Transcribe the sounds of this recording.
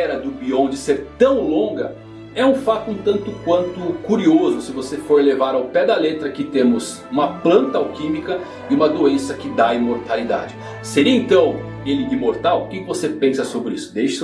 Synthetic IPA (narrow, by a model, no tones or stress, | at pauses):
ɛɾɐd̪ʊbiõd͡ʒɪseɾt̪ɐ̃w̃lõɡɐ | ɛũfat̪ʊũt̪ɐ̃nt̪ʊkwɐ̃nt̪ʊkuɾiozʊsɪvosefoɾlevaɾawpɛd̪ɐlet̪ɾɐkɪt̪ẽmʊz | ũmɐplɐ̃nt̪ɐawkĩmikɐ | ɪũmɐd̪oẽsɐkɪd̪aimoɾt̪alid̪a̰d͡ʒɪ | seɾiɐẽnt̪ɐ̃w̃ | elɪd̪ɪmoɾt̪awkɪkɪvosepẽsɐsobɾɪisʊ̥d̪ejʃɪ